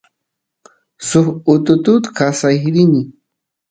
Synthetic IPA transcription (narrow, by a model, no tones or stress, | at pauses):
sʊχʊt̪ʊt̪ʊt̪kasajɾɪnɪ